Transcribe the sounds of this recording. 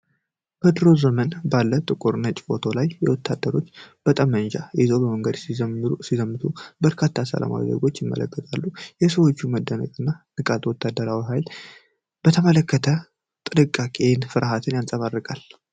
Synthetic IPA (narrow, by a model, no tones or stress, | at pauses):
b̥əd̪ɨɾo̞zəmənbalːət̪ʼɨkʼuɾnət͡ʃʼfo̞t̪ʰo̞lajːɛwɔt̪ʰːad̪ːəɾo̞t͡ʃːb̥ət̪ʼamːənd͡ʒa̰jɛzobəməŋɡəd̪sizsizəmːɨt̪ʰubəɾkʰat̪ʰːasə̰la̰ma̰wḭzḛɡo̞t͡ʃːjɪmːə̰lə̰kːət̪ʼalːujɛsəwo̞t͡ʃːuməd̪ːənə̰kʼɨnːanɨkʼat̪wɔt̪ʰːad̪əɾawiɦajl | b̥ət̪ʰəmələkːət̪ʰə | t̪ʼɨnɨkʼːakʼenfɨɾʔaɦat̪ʰɨnjansʼəβarːɨkʼal